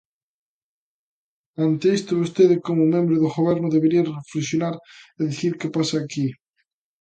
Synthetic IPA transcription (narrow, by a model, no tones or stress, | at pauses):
ant̪eest̪ʊβost̪eðɪkomʊmẽmbɾoðʊɣoβɛɾnʊðeβeɾiɐreflesjonaɾeðiθiɾkepasaːki